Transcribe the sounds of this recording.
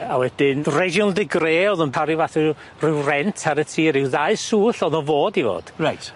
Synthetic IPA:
awɛdɪnrɛʒɔlˠdɪɡreːɔðʊnpʰaɾivaθɪ | rɪwrɛntʰaɾətʰiːɾɪwðaɨsuːɬɔðɔvoːdivo̰ːd̥rajtʰ

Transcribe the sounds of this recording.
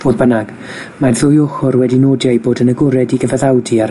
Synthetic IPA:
v̥oːðbənaɡ̥ | marðʊjʊχʊɾwɛdinoːdjajboːdənəɡʊɾɛdiɡəvɛðawdiaɾ

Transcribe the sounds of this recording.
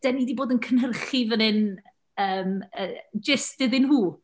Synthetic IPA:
d̥ɛniːdiboːdənkʰənɦərχivənɨn | əːməd͡ʒɪsdɪðɪnhuː

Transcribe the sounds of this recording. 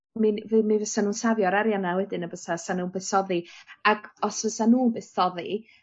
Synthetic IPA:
mivɨmivəsanuːnsavjɔɾaɾjanawɛdɪnəbəsasanuːbɛθɔðiaɡɔsvəsanuːbɛθɔði

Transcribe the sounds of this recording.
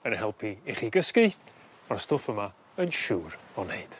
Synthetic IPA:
ənhɛlˠpʰiiχiːɡəskɪ | astofəma | ənʃuːrɔnejd̥

